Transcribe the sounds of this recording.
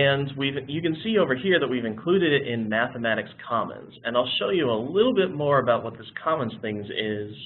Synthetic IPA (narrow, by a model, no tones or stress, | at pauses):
ɨ̃nwivjɨkɨ̃nsioʊvə˞hiɹðət̚wivɨ̃nkʰl̥ʉɾɨɾɪɾʔɪ̃nmæθəmæɾɨkskʰɑmə̰̃nz̥ɨ̃naɪlˠʃoʊjɨəlɪɾl̩ˠbɪt̚mɔɹəbaʊt̚wʌt̪̚ðɪskʰɑmə̃nz̥θɪ̃ŋzɪz̥